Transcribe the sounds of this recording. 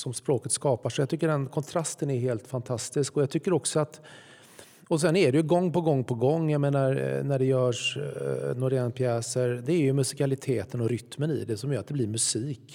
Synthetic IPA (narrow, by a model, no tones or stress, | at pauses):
sɔmspɾoːkət̪skɑːpaʂɔjaɡt̪ʏkːəɖɛnkʰɔnt̪ʰɾast̪ənæɾɦeːlt̪fant̪ʰast̪ɪskɔjat̪ʰʏkːəɾɔksɔat̪ | ɔs̬ɛnæɖɛjɵɡɔŋːpɔɡɔŋːpʰɔɡɔŋːjameːnaɾnæɖɛjœːʂ | noːɾɛnpʰjɛːsəɾd̪ɛːɾjɵmɵsɪ̥kalɪt̪ʰeːt̪ənɔɾʏt̪mənɪ̰d̪ɛsɔmjœːɾat̪̚d̪ɛblɪɾmɵsiːk